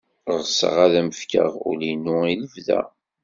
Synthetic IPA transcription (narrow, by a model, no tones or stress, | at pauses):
ʁəsə̰ʁæðæməfkə̰ʁṵlinʊiləvðæ̰